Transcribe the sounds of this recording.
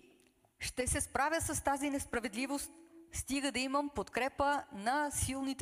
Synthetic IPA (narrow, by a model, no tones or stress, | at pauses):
ʃt̪ɛsɛspɾavjəsɐst̪azinɛspɾɐvɛd̪livost̪st̪iɡəd̪ɐiməmpot̪kɾɛpənɐsilˠnit̪